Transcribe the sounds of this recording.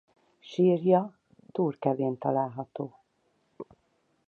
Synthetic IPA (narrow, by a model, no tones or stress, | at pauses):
ʃiːrjɒ | t̪uːrkɛveːnt̪ɒlaːlɦɒt̪oː